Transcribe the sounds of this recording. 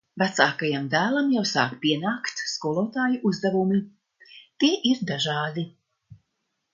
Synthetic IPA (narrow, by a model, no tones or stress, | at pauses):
vat̪saːkajamd̪æːlˠamjawsaːkpiɛnaːkt̪skuɔlˠɔːt̪aːjuʔuzd̪avumi | t̪iɛʔiɾd̪aʒɑːd̪i